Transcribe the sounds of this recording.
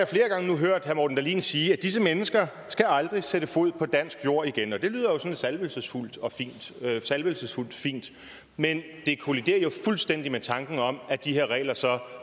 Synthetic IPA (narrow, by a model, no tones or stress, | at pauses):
ɑjofle̝ːɐɡ̥ɑ̈ŋənuɦøɐ̰d̥hæɐmoːd̥n̩d̥æɐlḭːnsiːæd̥is̬əmenəsɡ̥ɐ | sɡ̥æɑ̈ld̥ʁiseɾ̥əfo̝ð̰ˠpʰɒ̽d̥æn̰sɡ̥jo̝ɐ̰iɡ̥enɒ̽d̥e̝lyːð̰ˠɐjo̝sɒ̽nsælʋəlsəsful̰d̥ɒ̽fḭːnd̥sælʋəlsəsful̰d̥fḭːnd̥ | men | d̥e̝kʰo̝lid̥e̝̰ːɐjo̝fulsd̥en̰d̥imet͡sʰɑ̈ŋɡ̥n̩ɒ̽mæd̥ihe̝ɐʁɛ̰ːlɐsɒ̽